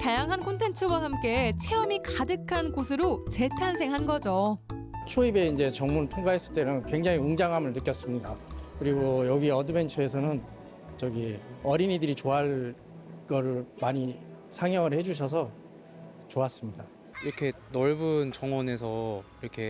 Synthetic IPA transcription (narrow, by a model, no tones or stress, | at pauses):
tajaŋɦankʰontʰe̞nt͡ɕʰɯwaɦamk͈e̞t͡ɕʰe̞ʌmikadɯkʰankosʰɯɾot͡ɕe̞tʰans̬ʰeŋɦanɡʌd͡ʑot͡ɕʰoibe̞ind͡ʑe̞t͡ɕʌŋmunɯɭtʰoŋɡaɦe̞s͈ɯɭt͈e̞nɯnkwe̞ŋd͡ʑaŋiuŋd͡ʑaŋɦamɯɭnɯk͈jʌs͈ɯmɲidakɯɾiɡojʌɡiʌdɯbe̞nt͡ɕʰɯe̞s̬ʰʌnɯn | t͡ɕʌɡiʌɾinidɯɾit͡ɕoɦaɭ | kʌɾɯɭmaɲi | sʰaŋjʌŋɯɭhe̞d͡ʑuɕ̬ʰʌs̬ʰʌ | t͡ɕoas͈ɯmɲida | iɾʌkʰe̞ | nʌɭbunt͡ɕʌŋwʌne̞sʰʌiɾʌkʰe̞